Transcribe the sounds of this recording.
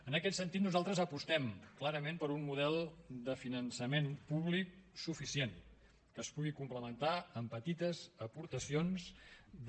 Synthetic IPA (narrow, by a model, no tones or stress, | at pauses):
ənəkɛt̪sənt̪it̪nuzalˠt̪ɾəzəpust̪ɛmklaɾəmempəɾunmuðɛlˠd̪əfinənsəmenpuβlik̚sufisien | kəːspuɣikumpləmənt̪aəmpət̪it̪əzəpuɾt̪əsionz